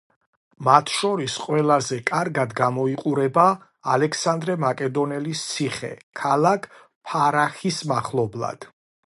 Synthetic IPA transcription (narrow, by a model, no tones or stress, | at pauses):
mat̪ʰʃɔɾisqʼwɛlˠazɛkʼaɾɡad̪ɡamɔiqʼuɾɛbaː | lɛksand̪ɾɛmakʼɛd̪ɔnɛlist̪sʰiχɛ̰kʰalˠakʰ | pʰaɾaχismaχlˠɔblˠa̰d̪̥